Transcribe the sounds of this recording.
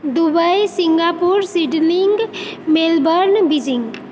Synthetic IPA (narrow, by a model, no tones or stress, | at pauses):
d̪ubəjsiŋɡapuɾsiɖniŋɡmelbəɾnbid͡ʒiŋɡ